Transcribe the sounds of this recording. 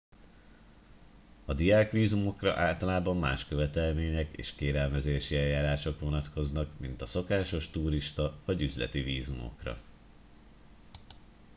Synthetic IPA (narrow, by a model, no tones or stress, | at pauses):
ɒd̪ijaːkʋiːzumo̞krɒ̰ʔaːlt̪ɒlaːbɒmːa̰ːʃkø̞vɛt̪ɛlmeːɲɛkḛːʃkeːɾɛlmɛzeːʃiɛjːaːɾaːʃo̞kʋo̞nɒt̪kʰo̞znɒkmint̪ɒso̞kaːʃo̞ʃt̪uːɾiʃt̪ɒvɒɟyzlɛ̰t̪iviːzumo̞̰krɒ̰